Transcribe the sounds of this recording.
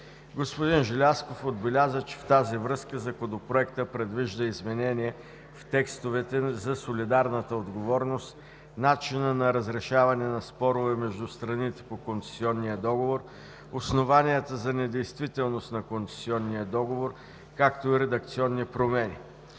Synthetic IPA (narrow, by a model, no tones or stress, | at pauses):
ɡospod̪inʒɛlʲaskofod̪bɛlʲazət͡ʃɛ̥ft̪azivɾɤskəzɐkod̪opɾoɛkt̪əpɾɛd̪viʒd̪əizmɛnɛniɛ | ft̪ɛkst̪ovɛt̪ɛzɐsolid̪aɾnət̪əod̪ɡovɔɾnost̪ | nat͡ʃinənɐɾɐzɾɛʃavɐnɛnɐspɔɾʊvɛmɛʒd̪ust̪ɾɐnit̪ɛ̥pokont̪sɛ̥siɔnːijəd̪ɔɡovoɾ | osnovaniɛt̪əzɐnɛd̪ɛjst̪vit̪ɛlˠnost̪nɐkont̪sɛ̥siɔnːijəd̪ɔɡovoɾ | kak̚t̪oiɾɛd̪ɐk̚t̪siɔnːipɾomɛnʲi